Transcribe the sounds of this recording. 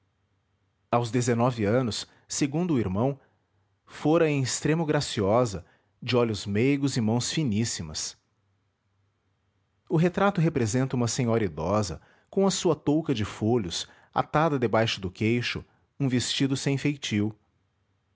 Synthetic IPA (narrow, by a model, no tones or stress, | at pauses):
awzd̪ezenɔvɪɐ̃nʊs | seɡũnd̪ʊiɾmɐ̃w̃ | foɾɐẽj̃ɪst̪ɾẽmʊɡɾasiɔzɐ | d͡ʒɪɔʎʊzmejɡʊzɪmɐ̃w̃sfinisimɐ̰s | ʊɦet̪ɾat̪ʊɦepɾezẽnt̪ɐũmɐsẽɲɔɾɐid̪ɔzɐ̰ | kõw̃ɐsuɐt̪owkɐd͡ʒɪfoʎʊs | a̰t̪ad̪ɐd̪ebajʃʊd̪ʊkejʃʊ̰ | ũvest͡ʃid̪ʊsẽj̃fejt͡ʃiw